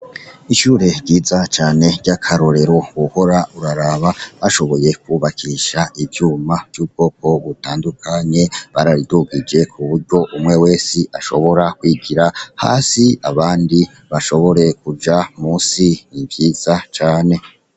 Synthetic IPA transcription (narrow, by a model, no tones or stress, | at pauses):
iʃuːɾe̞ɾɟiːzat͡ʃaːne̞ɟakʰaɾo̞ɾe̞ɾo̞βuho̞ɾauɾaɾaβaβaʃo̞βo̞je̞kuβakʰiʃaʔivjuːmav̥juːb̚ɡ̥o̞ːko̞βutaːndukʰaɲe̞βaɾaɾiduɡid͡ʒe̞kʰuβuɾɟo̞ʔumŋe̞we̞ːsiʔaʃo̞̰βo̞ɾakwiːɡiɾaha̰ːsia̰βaːndi | βaʃo̞βo̞ɾe̞kud͡ʒamuːsinivjiːz̥at͡ʃaːne̞